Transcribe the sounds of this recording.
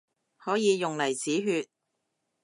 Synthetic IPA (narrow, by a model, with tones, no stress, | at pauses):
hɔː˨˥jiː˨˧jʊ˨ŋlɐ˨˩jt͡siː˨˥ɦyː˧t̚